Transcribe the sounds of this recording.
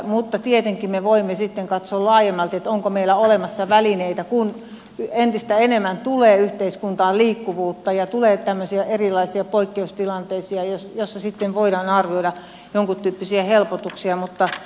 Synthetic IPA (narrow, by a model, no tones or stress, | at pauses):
mut̪ːɑt̪iet̪eŋkːimeʋoimːesit̪ːeŋkɑt̪soːllɑːjemːɑlt̪et̪oŋkomeilːˑæolemɑsːɑʋælineit̪ækun | ent̪ist̪æenemːˑænt̪uleːyht̪eiskunt̪ɑːliːkːuʋuːt̪ːɑjɑt̪uleːt̪æmːøsiæʔerilɑisiɑpoikːeust̪ilɑnt̪eisiɑjosjosːɑsit̪ːeʋʋoidɑːnɑrʋioidɑ | joŋkut̪t̪yːpːisiæhelpot̪uksiɑmut̪ːɑ